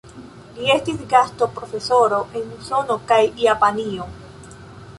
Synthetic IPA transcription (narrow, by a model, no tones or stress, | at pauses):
liest̪isɡast̪o̞pɾofesoɾoʔeŋmusonokajiapanio